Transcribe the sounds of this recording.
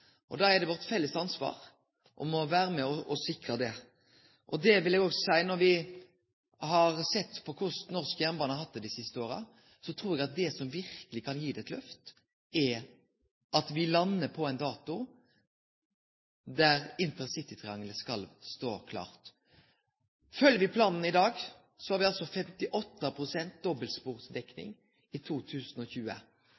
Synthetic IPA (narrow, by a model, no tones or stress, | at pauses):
ʔɔ̰d̪ɑːɛd̪ɛʋɔɾʁt̪fɛlːəst̪ɑnsʋɑ̰ːɾ | ʔɔ̰mɔʋæːɾəmɛɔɔsɪkɾəd̪ɛ | ʔɔd̪ɛʋɪlɛɡɔɡsɔsæɪnɔɾʋɪ | hɑɾsɛt̪ːpʰɔkʰʊsnɔʁskəjæɾnbɑːnəhɑɾhɑt̪̚d̪ɛd̪ɪsɪst̪əoːɾə̰ | sɔt̪ʰɾuːɾɛɡɑt̪̚d̪ɛsɔmʋɪɾkəlɪkʰɑnjiːd̪ɛɛt̪lœft̪ | ɛ | ɑt̪ʋɪlɑnːəpʰɔɛɪnd̪ɑːt̪ʊ | d̪æʁɪnt̪əʁsɪt̪ɪt̪ʰʁɪɑŋləskɑlst̪o̰ːkʰlɑ̰ːʁt̪ | fœljəɾʋɪpʰlɑːnn̩ɪd̪ɑːɡ | sɔhɑɾʋɪɑlsɔfɛmt̪ɪʔɔt̪ːəpʰʁʊsɛnt̪̚d̪ɔbəlspuːɾsd̪ɛknɪ̰ŋ | ɪt̪ʰuːt̪ʰʉːsn̩ɔçʉːə̰